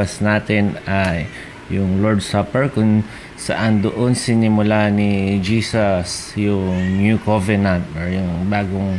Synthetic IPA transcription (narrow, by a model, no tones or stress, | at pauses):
asnaːt̪ɪnajː | ʊŋlɔɹd̪sapɛɹkʊn | saʔand̪oʔonsɪnɪmʊlanɪd͡ʒiːsasjʊŋnjukovɛɹnant̪ɔɹjʊŋbaːɡʊŋ